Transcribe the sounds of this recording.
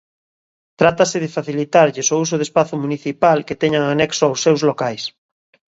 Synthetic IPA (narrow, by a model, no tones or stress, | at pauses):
t̪ɾat̪asɪðɪfaθilit̪aɾʎɪsous̬ʊðespaθomuniθipalket̪ɛɲaŋanɛksoawsːewzlokajs